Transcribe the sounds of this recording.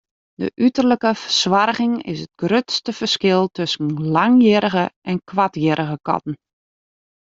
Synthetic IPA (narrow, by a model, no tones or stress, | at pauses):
də̰ʔytərləkəfəswarɣɪŋɪ̰sət̚ɡ̥røtstəfərskɪlˠtøsən̩laŋjɪɾəɣəʔɛnkʋatjɪɾʔəɣəkɔ̰tn̩